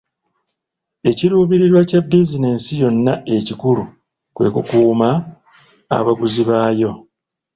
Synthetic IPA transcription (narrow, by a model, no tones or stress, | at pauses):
e̞ciɾuːβiɾiɾwacabːizine̞ːsijo̞nːae̞cikuɾu | kwe̞̰ːkukuːma̰ː | βaɡuziβaːjo̞